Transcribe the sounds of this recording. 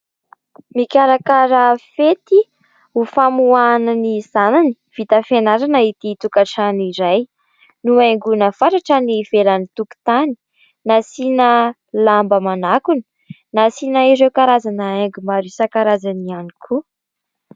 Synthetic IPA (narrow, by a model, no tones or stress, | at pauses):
mikʲaɾakaɾəfet̪i | ufamuananiz̥anani̥ | v̥it̪əfenaɾanəit̪it̪ukaʈ͡ʂaniɾaj | nuaŋɡunəfaʈ͡ʂaʈ͡ʂəniv̥elanit̪uku̥t̪ani̥ | nasinə | lambəmanakuni̥ | nasinaiɾewkaɾazanəeŋɡumaɾisakaɾazanianikʰu